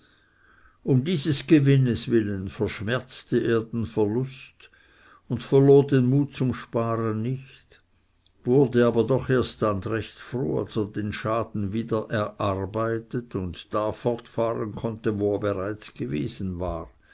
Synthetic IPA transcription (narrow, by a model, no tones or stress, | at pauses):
ʊmdiːzəsɡ̥əvɪnəsvɪlənfɛɐʃmɛɐt͡stəʔeːɐdeːnfɛɐlʊst | ʊntfɛɐloːdenmuːt̚t͡sʊmʃpaːʁənnɪçt | vʊʁdəaːbɐdɔχeːɐstandʁɛçtfʁo̰ːa̰lseːɐdeːnʃaːdn̩viːdɐʔɛɐʔaʁbaɪtətʊntd̥aːfɔʁtfaːʁənkʰɔntəvoeːɐbeʁaɪt͡sɡ̥əvḛːzn̩vaːʁ